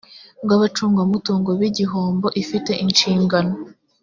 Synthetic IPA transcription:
bɡaβat͡ʃuːŋɡamutuːŋɡoβiɟiɦoːmbo̞ʔifite̞ʔinʃiːŋɡano

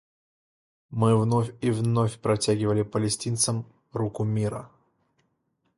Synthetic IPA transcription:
mɨvnofʲivnofʲpɾɐtʲæɡʲɪvəlʲɪpəlʲɪsʲtʲint̪səm | rukʊmʲiɾə̰

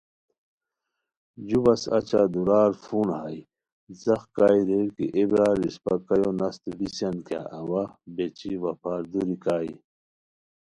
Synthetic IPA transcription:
d͡ʑubɐsɐ̰t͡ɕad̪uɾaːɾfunhaj | zɐxkaːjɾeɽkḭʔebɾaːɾispɐkɐjonɐst̪ubisjɐnka̰ʔɐwabet͡ɕiwɐpʰaːɾd̪uɾikaːḭ

